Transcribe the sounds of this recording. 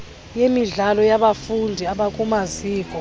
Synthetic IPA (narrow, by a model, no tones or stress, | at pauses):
jemiɮalɔjaɓafundʱiaɓakʼumaziːk̬ʼɔ